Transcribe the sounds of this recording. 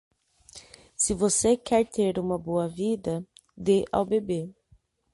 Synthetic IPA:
sɪvosekɛɾt̪ʰeɾũmɐboɐvid̪ɐd̪eʔa̰wbebe

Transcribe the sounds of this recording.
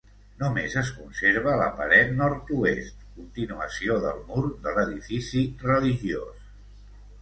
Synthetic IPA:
numezəs̬kunseɾβələ̰pə̰ɾɛt̪nɔɾt̪uest̪kunt̪inuəsioðəlˠmuɾðələðifisirəliʒio̰s

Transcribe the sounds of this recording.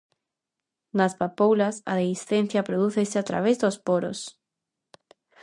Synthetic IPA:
naspapowlasa̰ðelisθen̟θjapɾoðuθesɪat̪ɾa̰βezðospoɾo̰s

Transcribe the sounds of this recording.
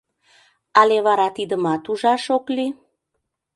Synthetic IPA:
ɑleβɑɾɑt̪id̪əmɑt̪uʒɑʃokli

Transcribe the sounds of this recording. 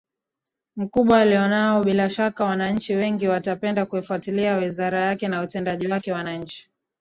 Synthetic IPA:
m̩kuɓwaːlijɔnaɔɓilaʃakawanaɲ̩t͡ʃiwɛŋɡiwatapɛndakuifuatiliawizaɾajakɛnautɛndaʄiwakɛwanaɲ̩t͡ʃi̥

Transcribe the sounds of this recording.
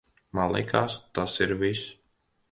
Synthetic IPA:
malˠḭkʰaːst̪asiɾvis

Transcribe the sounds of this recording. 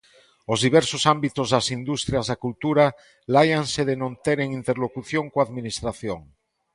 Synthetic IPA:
ozðiβ̞ɛɾsosambit̪ozðasind̪ust̪ɾjazðakult̪uɾa | lajanseðenõnt̪eɾeŋint̪eɾlokuθjoŋkoaðminist̪ɾaθjoŋ

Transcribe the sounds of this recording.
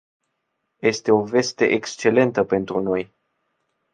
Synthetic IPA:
je̞st̪e̞o̞ve̞st̪e̞̰ʔekst͡ʃe̞le̞nt̪əpe̞nt̪ɾuno̞j

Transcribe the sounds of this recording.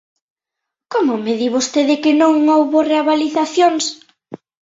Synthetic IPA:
komʊmeðiβost̪eðɪkɪnõŋowβoreaβaliθaθjoŋs

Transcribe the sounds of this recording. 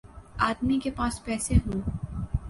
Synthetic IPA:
aːd̪mikepaːspɛːseɦũː

